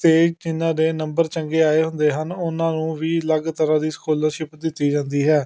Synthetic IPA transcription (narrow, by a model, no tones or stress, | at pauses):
t̪eːd͡ʒɪnãːd̪eːnəmbəɾt͡ʃəŋɡeːaːeːɦʊnd̪eːɦənʊnãːnũːʋiːləɡt̪əɾãːd̪iːsə̥kʰoːlãːʃɪpd̪ɪt̪ːiːd͡ʒãːnd̪iːɦɛː